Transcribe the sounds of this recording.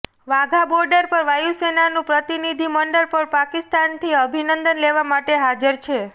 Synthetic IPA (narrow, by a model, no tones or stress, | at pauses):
ʋaɡʱabɔɾɖəɾpəɾʋajusenanũpɾət̪inid̪ʱiməɳɖəɾpəɾpakist̪ant̪ʰiəbʱinənd̪ənleʋamaʈeɦad͡ʒəɾt͡ʃʰe